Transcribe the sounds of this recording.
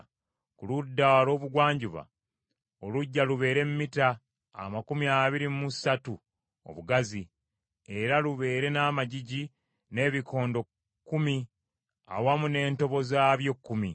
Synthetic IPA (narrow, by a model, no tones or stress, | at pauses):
kuludːawalo̞ːβuɡwaːɲɟuβa̰ | oluɟːaluβe̞ːɾe̞mumita̰ː | makumiaβiɾimusatu | o̰βuɡazi | e̞ɾaluβe̞ːɾe̞naːmaɟiɟi | ne̞ːβikʰo̞ːndo̞ | kːumi | a̰wamune̞ːnto̞βo̞zaːβjo̞kːumi